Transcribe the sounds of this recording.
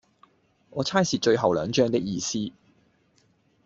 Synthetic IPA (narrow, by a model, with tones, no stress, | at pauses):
ŋʔɔː˨˧t͡sʰaː˥jsiː˨t͡ʃɵ˧ɥɦɐ˨wlœː˨˧ŋt͡ʃœː˥ŋt̪ɪ˥k̚jiː˧siː˥